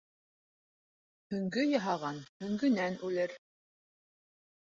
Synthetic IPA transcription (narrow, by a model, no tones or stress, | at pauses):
hɵ̆ŋɡɵjɑɦɑʁɑnhɵ̆ŋɡɵ̆nænʔʉlɘɾ